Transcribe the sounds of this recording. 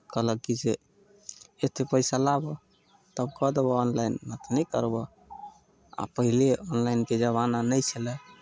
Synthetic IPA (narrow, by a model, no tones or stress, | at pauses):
kəɦləkːid͡ʒe | et̪ʰepəɪsalabɔ | t̪əbkɔd̪ebɔɔnlajnmət̪nəjkə̰ɾbɔ | a̰pəɦileɔnlajnked͡ʒəβananəjt͡ʃʰəlɛ